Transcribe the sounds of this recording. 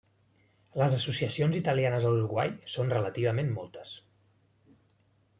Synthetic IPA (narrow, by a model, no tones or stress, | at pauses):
ləzəsusiəsionzit̪əlijanəzəluɾuɣwa̰jsonrələt̪iβ̞əmemmɔlˠt̪ə̥s